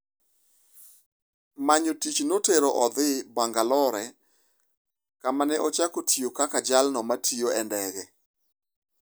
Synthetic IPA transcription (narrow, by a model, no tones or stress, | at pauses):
maɲotit͡ʃnoteɾoʔɔd̪ɪbaŋɡalɔɾɛ | kamanɛʔɔt͡ʃakotʰijokakad͡ʒalnɔmatʰioɛndɛɡɛ